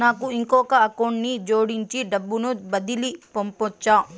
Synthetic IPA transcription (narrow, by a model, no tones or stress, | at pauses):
naːkuiŋkɔːkɐɐkɐwɳɖnid͡ʒoːɽiɲt͡ʃiɖɐbːunubɐd̪ilipompɔt͡ʃːaː